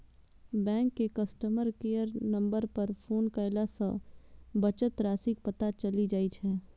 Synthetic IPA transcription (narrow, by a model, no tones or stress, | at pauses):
bɛ̃ːŋkːekɐsʈəməɾkeːjəɾnɐ̃mbəɾpɐɾpʰoːnkəɪlasə̃bɐt͡ʃət̪ɾaːsik̚pɐt̪at͡ʃɐlid͡ʒaːit͡ʃʰɛː